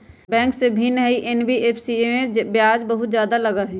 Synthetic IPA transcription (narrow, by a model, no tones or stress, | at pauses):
bɛ̃ːŋksebʱinɦəiʔenbiʔeːpʰsiemẽbjaːd͡ʒbəɦʊt̪d͡ʒjaːd̪alɐɡaɦɛ